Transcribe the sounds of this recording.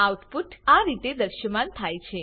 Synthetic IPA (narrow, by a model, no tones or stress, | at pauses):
awt̪fuʈaɾit̪ed̪əɾʃəmant̪ʰajt͡ʃʰe